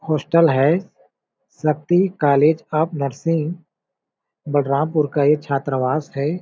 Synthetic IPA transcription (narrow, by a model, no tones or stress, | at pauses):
hoːsʈəlɦɛː | sɐk̚t̪ikaːleːd͡ʒɐpnɐɾsɪ̃ŋ | bəɖɾãːmpʊɾkajet͡ʃʰaːt̪ɾəʋaːsɦɛː